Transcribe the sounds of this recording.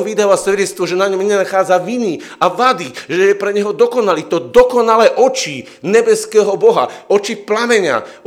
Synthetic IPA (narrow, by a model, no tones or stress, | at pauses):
ʋid̪aːʋasʋɛɟɛt̪st̪ʋɔʒɛnaɲɔmɲɛnaxaːd͡zaʋiniaʋad̪iʒɛjɛpɾɛɲɛɦɔd̪ɔkɔnaliːt̪ɔd̪ɔkɔnalɛʔɔt͡ʃi | ɲɛbɛskɛːɦɔbɔɦa̰ɔt͡ʃiplamɛɲa̰